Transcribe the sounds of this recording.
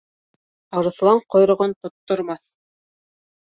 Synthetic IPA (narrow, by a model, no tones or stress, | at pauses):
ɑɾɤ̆θlˠɑɴqŏjɾŏʁɤnt̪ŏt̪ːŏɾmɑθ